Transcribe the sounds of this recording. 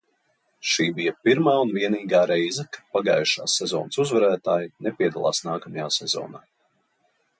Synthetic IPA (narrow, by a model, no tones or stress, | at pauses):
ʃiːbijɐpiɾmaːunviɛniːɡaːɾɛjzɐkḁpaɡaːjʃa̰ːsːɛzɔːnsuzvɛɾæːt̪aːjinɛpiɛd̪a̰lˠa̰ːsnaːkamajaːsɛzɔ̰ːnaː